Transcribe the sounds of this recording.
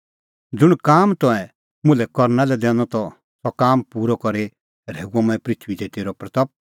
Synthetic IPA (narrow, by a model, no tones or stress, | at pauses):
d͡zʊɽ̃kaːmt̪ɔ̃ɛ̃ | mʊ̃lɛkɔɾnalɛd̪ɛ̃ːñɔt̪ɔ | sɔkaːmpuːɾɔkɔɾe | ɾeːuɔ̃mãːɛ̃pɾɪt̪ʰʋid̪et̪eːɾɔpɾɐt̪ɔp̚